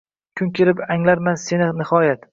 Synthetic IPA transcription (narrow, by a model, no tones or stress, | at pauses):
kʲʰʊŋkʲʰelɪpaŋlaɾmanse̞nɪnɪhɒjat̪